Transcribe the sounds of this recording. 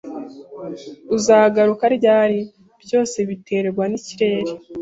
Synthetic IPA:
uzaːɡaɾukaɾɟaːɾi | bjo̞ːse̞βite̞ɾeɾɡwaniciɾe̞ːɾi

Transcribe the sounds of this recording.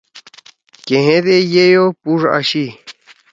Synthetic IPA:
keɦẽðejejopuʐa̰ɕi

